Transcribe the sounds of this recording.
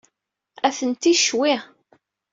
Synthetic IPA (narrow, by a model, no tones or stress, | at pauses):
æθənt̪iʃwiʁ